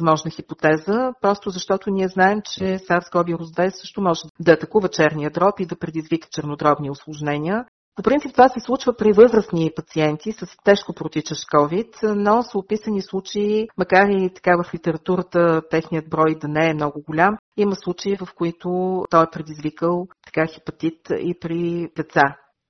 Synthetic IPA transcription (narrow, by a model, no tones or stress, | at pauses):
zmɔʒnəxipot̪ɛzəpɾɔst̪ʊzɐʃt̪ɔt̪ʊniɛznaɛmt͡ʃɛsaɾsɡɔbiɾʊzd̪ɛsɤʃt̪ʊmɔʒɛd̪ɐːt̪ɐkuvət͡ʃɛɾnijəd̪ɾɔpid̪ɐpɾɛd̪izvikə̥t͡ʃɛɾnod̪ɾɔbniʊslˠʊʒnɛnʲiə | popɾint̪ipt̪vasɛslˠut͡ʃvəpɾivɤzɾəsnipɐt̪siɛnt̪isəst̪ɛʃkopɾot̪it͡ʃəʃkɔvit̪nɔsʊpisənislˠut͡ʃeimɐkaɾit̪ɐ̥kavəflit̪ɛɾɐt̪uɾət̪ət̪ɛxnijəd̪̚bɾɔjd̪ɐnɛɛmnɔɡʊɡʊlʲamiməslˠut͡ʃeivəfkʊit̪ʊt̪ɔɛpɾɛd̪izvikəlˠt̪ɐ̥kaxipɐt̪it̪ḭpɾip̪ɛt̪sa